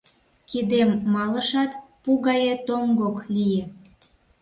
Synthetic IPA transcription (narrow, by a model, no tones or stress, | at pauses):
kid̪emːɑləʃɑt̪puɣɑjet̪omɡoklije